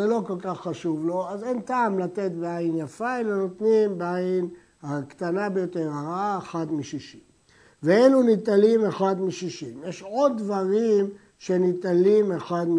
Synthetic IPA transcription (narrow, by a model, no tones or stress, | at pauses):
elo̞ko̞lkaχːaʃuvlo̞azentaːmlat̪e̞t̪beajinjafaelano̞t̪nimbeajin | hakt̪anabejo̞t̪e̞ʁaʁaaexad̪miʃiʃim | veelunit̪alime̞xad̪miʃiʃimjeʃod̪̚ːvaʁim | ʃenit̪alimexad̪m